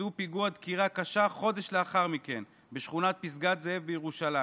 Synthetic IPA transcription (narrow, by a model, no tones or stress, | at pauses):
upiɡuad̪kiʁakaʃaχo̞d̪e̞ʃleaχaʁmike̞n | beʃχunat̪̚pis̬ɡat̪zeevbejeʁuʃala